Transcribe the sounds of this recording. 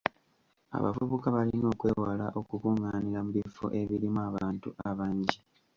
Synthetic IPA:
a̰βa̰vuβukaβalino̞ːkwe̞ːwalaʔo̞kukuŋaːniɾamuβifo̰ʔe̞βiɾimuaβaːntuaβaːɲɟi

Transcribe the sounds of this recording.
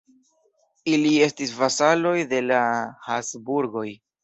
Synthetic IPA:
ilie̞stisvasalo̞jde̞lahasbuɾɡo̞j

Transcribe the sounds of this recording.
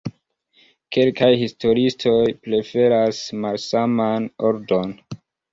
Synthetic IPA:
ke̞lkajhisto̞ɾistʰo̞jpɾe̞fe̞ɾasmalsamano̞ɾdo̞n

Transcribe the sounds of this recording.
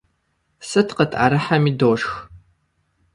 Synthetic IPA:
sɨtqətʼʔa̰ɾɨħamiːdoːʂx

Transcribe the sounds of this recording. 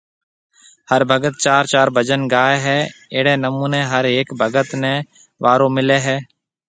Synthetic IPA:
həɾbʱəɡət̪̚t͡ʃaːɾt͡ʃaːɾbʱəd͡ʒənɡaːeːɦɛːeːɽeːnəmũːneːɦəɾeːkbʱəɡət̪nẽː | ʋaːɾõːmɪleːɦɛː

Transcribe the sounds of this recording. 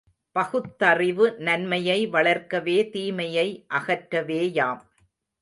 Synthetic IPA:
pɐɣɯt̪ːɐrɪʋɯnɐnmɐjɐɪʋɐɭɐɾkɐʋeːt̪iːmɐjɐɪʔɐɣɐʈɾɐʋeːjaːm

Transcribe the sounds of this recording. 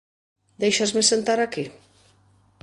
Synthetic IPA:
d̪ejʃazmesent̪aɾaki

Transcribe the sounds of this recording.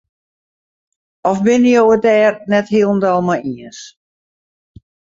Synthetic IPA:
ɔfbɪnəjowədɛːrnɛthiəlˠn̩dɔlˠmajiəns

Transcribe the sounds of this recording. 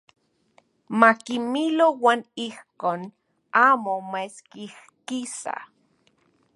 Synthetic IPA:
makimilowaːnihkoːn | aːmomeskih | kisa̰

